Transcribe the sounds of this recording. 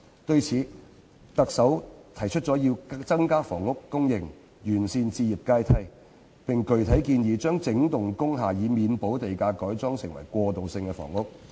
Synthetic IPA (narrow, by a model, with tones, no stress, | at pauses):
t̪ɵ˧ɥt͡sʰiː˨˥ | t̪ɐ˨k̚sɐ˨˥wt̪ʰɐ˨˩jt͡ʃʰɵ˥t̚t͡sɔː˨˥jiː˧wt͡sɐ˥ŋkaː˥fɔː˨˩ŋʊ˥kːʊ˥ŋjɪ˨˩ŋ | jyː˨˩nsiː˧nt͡siː˧ji˨p̚kaː˧jt̪ʰɐ˧j | pɪ˨˩ŋkɵ˨ɥt̪ʰɐ˨˥jkiː˧njiː˨˧t͡ʃœː˥ŋt͡sɪ˨˥ŋt̪ʊ˨ŋkʊ˥ŋɦaː˨˩jiː˨˧miː˨˧npo˨˥wt̪e˨˩jkaː˧kɔː˨˥jt͡sɔː˥ŋsɪ̰˨˩ŋwɐ̰˨˩jkʷɔː˧t̪o˨wsɪ˧ŋkɛ˧fɔ̰ː˨˩ŋʊ˥k̚